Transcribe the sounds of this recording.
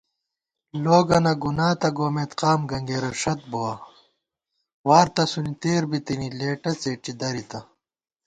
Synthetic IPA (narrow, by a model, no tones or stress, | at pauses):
loːɡɐnɐɡunaːt̪ɐɡoːmet̪qaːmɡɐŋɡeːɾɐʂɐt̪̚bowɐ | waːɾt̪ɐsunit̪eːɾbit̪inileːʈɐt͡seːʈ͡ʂid̪ɐɾit̪ɐ